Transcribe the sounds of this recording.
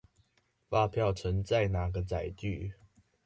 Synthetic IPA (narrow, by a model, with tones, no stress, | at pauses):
fa˥˧˨pʰjɑ˥˨ʊt͡sʰə˧˦ŋt͡sa˥˨ɪna˨˩ɡə˨˦t͡sa˨˩ɪt͡ɕy˥˨